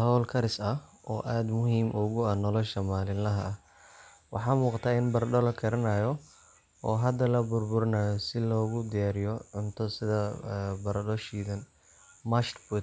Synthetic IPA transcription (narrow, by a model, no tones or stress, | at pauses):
hɔwlkʰɐɾɪsɐʔɔːʔaːd̪mʊɦiːmʔʊɣʊɐnɔlɔʃɐmaːlɪlɐɦɐɐ | wɑ̰ħɑːmuːqɑt̪ʰaːɪnbɐrɖɔlɐkʰɐɾɐnaːjɔ | ɔːɦɐd̪ɐlɐbʊrbʊɾɐnaːjɔsɪlɔːɣʊd̪ɪjaːɾɪjɔʕʊnt̪ʰɔsɪðɐbɐɾɐɖɔʃiːðɐn | mɐʃt̪bʊt̪